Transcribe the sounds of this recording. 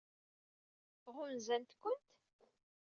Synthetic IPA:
ʁʊnzænt̪kʷːʊnt̪

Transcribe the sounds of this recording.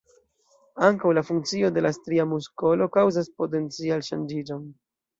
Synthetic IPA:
aŋkawlafuŋkt͡sio̞de̞lastɾiamusko̞lo̞kawzaspo̞t̬e̞nt͡sialʃand͡ʒid͡ʒo̞n

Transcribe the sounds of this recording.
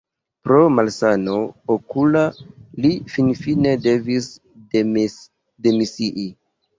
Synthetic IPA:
pɾo̞malsano̞okulalifinfine̞de̞vis | demisiʔi

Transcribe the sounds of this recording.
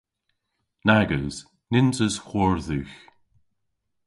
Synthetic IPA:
naɡəwz̥ | nɪntəsxɔɹðʉːx

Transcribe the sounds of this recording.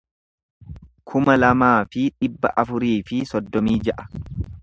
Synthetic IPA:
kʰʊmɐlɐmaːfɪᶑɪbːɐ̰ʔɐfʊɾiːfɪsɔd̪ːɔmiːd͡ʒɐʔɐ̥

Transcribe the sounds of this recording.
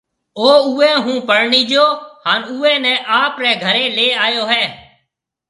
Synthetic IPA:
oːuːɛ̃ːɦũːpəɽɳiːd͡ʒoːhaːnuːɛ̃ːnɛ̃ːʔaːpɾɛːɡʱəɾeːleːaːjoːɦɛː

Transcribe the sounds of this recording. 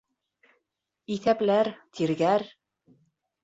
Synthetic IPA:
iθæplæɾt̪ʰiɾɡæɾ

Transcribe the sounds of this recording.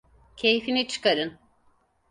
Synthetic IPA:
cʰe̞jfinit͡ʃʰɯ̥kaɾɯn

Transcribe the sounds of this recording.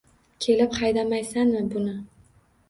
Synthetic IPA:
kʲʰe̞lɪpχɑjd̪amajsanmɪbʊnɪ

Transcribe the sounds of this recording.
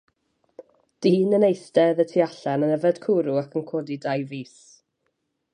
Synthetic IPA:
d̥iːnənejstɛðətʰiaɬɛnənɛvɛd̥kʰuːɾʊakʰənkʰoːdidajviːs

